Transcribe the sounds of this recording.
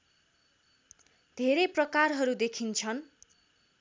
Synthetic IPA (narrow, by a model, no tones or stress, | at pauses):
d̪ʱeɾeprʌkarɦʌɾud̪ekʰint͡sʰʌn